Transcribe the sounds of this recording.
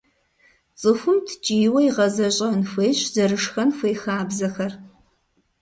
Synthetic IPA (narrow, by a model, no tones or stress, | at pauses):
t͡sʼɨfʷɨmtʰt͡ʃʼiːwɐiʁɐzɐɕʼɐnfʷeːɕzɐɾɨʂxɐnfʷeːxaːbzɐxɐr